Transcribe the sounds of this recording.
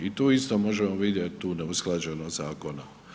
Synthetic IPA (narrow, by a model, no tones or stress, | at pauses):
it̪oːist̪o̞mo̞ʒemoʋid̪jet̪t̪uːneusklˠad͡ʑenozaːko̞na